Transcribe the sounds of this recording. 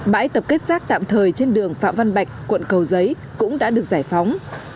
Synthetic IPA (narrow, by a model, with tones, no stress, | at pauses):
ɓa̰ː˧˥jt̪ə˨˩p̚ke˦˥t̚z̥aː˦˥k̚t̪a̰ː˧˨mt̪ʰəː˨˩jt͡ɕe˧nɗɨ˨˩əŋfa̰ː˧˨mva˧nɓa˨˩jk̟̚kwə̰˧˨nkə˨˩wzə˨˦j | kʊ̰˧˥ŋ͡mɗa̰ː˧˥ɗɨ˨˩ək̚zaː˧˩jfa˨˦wŋ͡m